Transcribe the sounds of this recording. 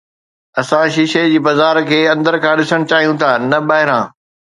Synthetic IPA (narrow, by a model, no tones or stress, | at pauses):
ɐsãʃiːʃed͡ʑiːbɐzaːɾkʰeːɐ̃nd̪əɾkʰãːɗɪsəɽ̃ʊt͡ɕaːɦijũt̪ʰaːnɐɓaːɦɪɾãː